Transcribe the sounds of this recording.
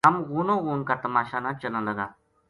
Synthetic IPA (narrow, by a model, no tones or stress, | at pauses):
ɐmɣuːnõːɣuːnkat̪ɐmaːʃaːnãt͡ʃəlaləɡaː